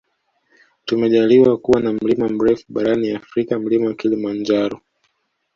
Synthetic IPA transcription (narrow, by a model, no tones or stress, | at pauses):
tumɛʄaliwakuwanam̩limam̩ɾɛfuɓaɾaniafɾikam̩limawakilimand͡ʒaɾɔ